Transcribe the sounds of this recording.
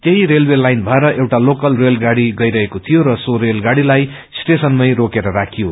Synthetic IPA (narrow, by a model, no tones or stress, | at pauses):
t̪eɦiɾelwelajnbʱʌeɾʌʔewʈalokʌlrelɡaɽiɡʌjɾʌɦekot̪ʰijoɾʌsoɾelɡaɽilaj | sʈesʌnmʌjɾokeɾʌɾakʰijo